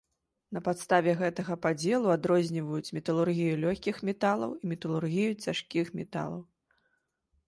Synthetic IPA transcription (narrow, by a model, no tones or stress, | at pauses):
nɐpat̪st̪avʲɛɣɛt̪ɐɣɐpad͡zʲɛlˠuad̪ɾɔzʲnʲivɐjut͡sʲmʲɛt̪ɐlˠurɣʲijulʲɔxʲkʲixmʲɛt̪alˠɐ̰wimʲɛt̪ɐlˠurɣʲijut͡sʲaʂkʲixmʲɛt̪a̰lˠɐ̰w